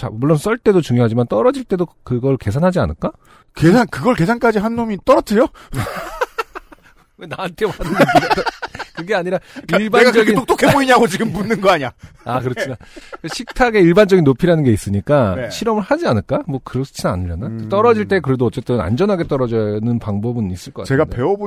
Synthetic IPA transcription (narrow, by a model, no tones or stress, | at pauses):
t͡ɕa̰muɭːons͈ʌɭt͈e̞dot͡ɕuŋjoɦad͡ʑimant͈ʌɾʌd͡ʑiɭt͈e̞dokɯɡʌɭke̞sʰanɦad͡ʑia̰nɯɭk͈a | kesʰankɯɡʌɭke̞sʰank͈ad͡ʑiɦanːomit͈ʌɾʌtʰɯjo | wenaantʰe̞manɯɡut͈kɯɡe̞aɲiɾaiɭbaeɡakʌɡeitok̚t͈okʰeboiɲaɡot͡ɕiɡɯmpunːɯnɡʌaɲa | akɯɾʌt͡ɕʰinakɕʰik̚tʰaɡe̞iɭband͡ʑʌɡinːopʰiɾanɯnɡe̞is͈ɯɲik͈aɕʰiɾʌmɯɭhad͡ʑianɯɭk͈amwʌkɯɾʌs͈ʰɯ̥t͡ɕʰina̰nɯʎːanat͈ʌɾʌd͡ʑiɭt͈e̞kɯɾe̞doʌt͡ɕ͈e̞t͈ɯna̰nd͡ʑʌnɦaɡe̞t͈ʌɾʌd͡ʑʌnɯnpaŋbʌbɯnis͈ɯɭk͈ʌkat͡ɕe̞ɡape̞ʌbu